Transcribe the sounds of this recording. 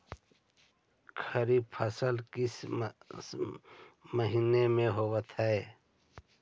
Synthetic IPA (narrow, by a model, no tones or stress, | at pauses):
kʰəɾibpʰəsəlkɪs | məɦiːnemẽɦoːwət̪ɦɛe